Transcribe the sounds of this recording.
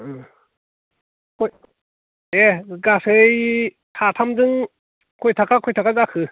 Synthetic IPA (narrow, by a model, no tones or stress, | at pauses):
kʰɔj | eɡase | tʰatʰamzɯŋ | kʰɔjtʰakakʰɔjtʰakazakʰɯ